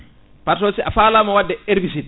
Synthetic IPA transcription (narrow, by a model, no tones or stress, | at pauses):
paɾtɔsiʔafaːlamɔwadːɛeɾbis̬i